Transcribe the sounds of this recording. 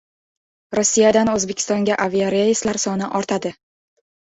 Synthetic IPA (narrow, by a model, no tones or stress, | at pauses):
ɾosːijad̪anɵzbekʲʰɪ̥st̪ɒŋɡʲaʔaviaɾajɪslaɾsɒnɪʔɒɾt̪ʰad̪ɪ